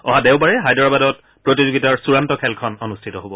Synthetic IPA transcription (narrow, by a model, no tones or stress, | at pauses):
ɔ̰ɦadɛʊbaɹɛɦajdɔɹabadɔt̚ | pɹotizoɡitaɹsuɹantɔkʰɛlkʰɔnɔnustʰitɔɦobɔ